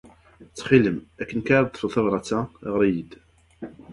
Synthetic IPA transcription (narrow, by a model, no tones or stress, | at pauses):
t͡sːχiləmækːənkaɾˤd̪ˤfəlθɑvɾˤɑt͡sːæʁəɾˤijəd̪